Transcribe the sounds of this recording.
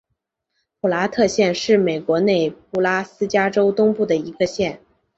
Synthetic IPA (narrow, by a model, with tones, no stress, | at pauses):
pʰu˨˩la˧˥t̪ʰɤ˥˧ɕjɛ˥˧nʂɻ̩˥˩me˨˩ɪkwɔ˧˥ne˥˩ɪp̚u˥˩la˥sɹ̩˥t͡ɕja˥ʈ͡ʂo˥ʊt̪ʊ˥ŋpu˥˩d̪ə˩i˧˥ɡə˧ɕjɛ˥˩n